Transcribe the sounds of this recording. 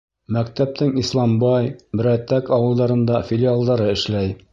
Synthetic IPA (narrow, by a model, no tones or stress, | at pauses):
mæk̚t̪æp̚t̪ɘŋislˠɑmbɑjbɘ̆ɾæt̪ːækɑwɤ̆lˠd̪ɑɾɤ̆nd̪ɑfʲɪlʲialˠd̪ɑɾɤɘ̆ʃlæj